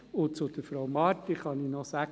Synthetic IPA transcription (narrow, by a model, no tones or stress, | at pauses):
ʊt͡sʊd̪̥əfɾɔwmɑɾtiχɑninɔsæ